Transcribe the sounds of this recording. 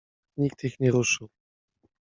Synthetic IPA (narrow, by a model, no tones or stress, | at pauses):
ɲik̚t̪ixɲɛɾuʂɘw